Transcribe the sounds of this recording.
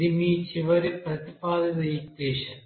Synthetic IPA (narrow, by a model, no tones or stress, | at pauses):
imiːt͡ɕiʋɐɾɨprɐt̪ipaːd̪ɐðɐikeːɕɐn